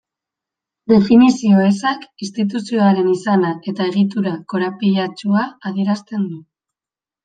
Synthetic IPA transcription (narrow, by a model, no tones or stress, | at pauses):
d̪e̞finisio̞esakist̪it̪̬usio̞aɾe̞nisanae̞t̪ae̞ɣ̞it̪̬uɾako̞ɾapiʎat͡ʃuaaðijeɾast̪e̞nd̪u